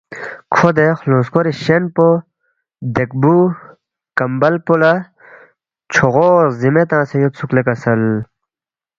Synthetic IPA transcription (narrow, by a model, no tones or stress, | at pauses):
kʰod̪exlõːskoɾiɕenpo | d̪ek̚bu | kɐmbɐlpolɐ | t͡ɕʰoɣoːzimet̪ãːsejot̪suklekɐsɐl